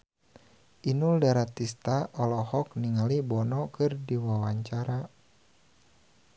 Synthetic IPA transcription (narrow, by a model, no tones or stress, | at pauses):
ʔinuldaɾat̪ist̪aʔɔlɔhɔkniŋalibɔnɔkɨrdiwawaɲt͡ʃaɾa